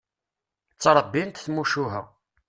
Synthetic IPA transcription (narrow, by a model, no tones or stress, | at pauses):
t͡sːɾˤəbːint̪θmuʃuɦə̰